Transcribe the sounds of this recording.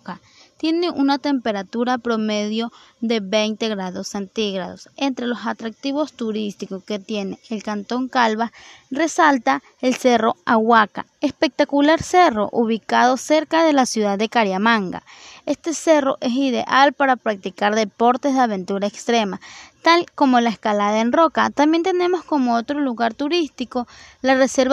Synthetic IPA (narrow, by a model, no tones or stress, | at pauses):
ka | t̪jeneʔunat̪empeɾat̪uɾapɾomeðjoðeβejnt̪eɣɾaðosːent̪iɣɾa̰ðosent̪ɾelosat̪ɾak̚t̪iβost̪uɾist̪ikoket̪jeneːlkant̪oŋkalβaresalt̪a | elseroawaka̰espek̚t̪akulaɾsero̰ʔuβikað̞oseɾkaðelasjuðaðːekaɾjamaŋɡa̰est̪eseroʔesiðḛʔalpaɾapɾak̚t̪ikaɾðepoɾt̪ezðeaβe̞nt̪uɾaekst̪ɾemat̪alkomolaeskalaðaenrokat̪ambjent̪enemoskomoot̪ɾoluɣaɾt̪uɾist̪ikolareseɾβ